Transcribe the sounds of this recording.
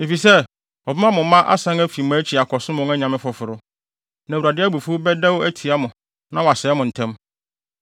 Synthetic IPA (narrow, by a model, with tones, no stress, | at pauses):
e˨fi˨sɛ˦ | ɔ˨bɪ˦mã˦mʊ̃˨mã˦ʔa̰˦sã˦ŋæ˦fi˨m˨æ˨˦t͡ɕʰi˨a˨kʰɔ˨sʊ̃˦mʊ̃˦ŋæ˦ɲã˨mɪ̃˦fʊ˨fʊ˨ɾʊ˦ | nã˨u˨ɾa˨dɪ˦æ˦bu˨fʊ˦bɛ˦dɛ˦wæ˦tʰi˨a˦mʊ̃˨ | nã˦wa˨sɛ˨ɛ˦mʊ̃˨n̩˨tʰɛ̃˦m